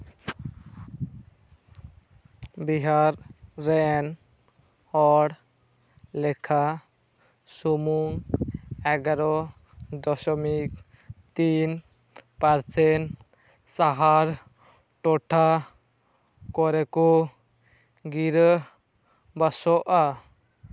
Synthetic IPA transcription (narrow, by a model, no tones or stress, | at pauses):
biɦaɾːɛn | hɔɽ | lɛkʰa | sumuŋ | ɛɡaɾɔ | d̪ɔsɔmik | t̪in | paɾsɛn | saɦaɾ | ʈɔʈʰa | kɔɾɛkɔ | ɡiɾ | basɔʔa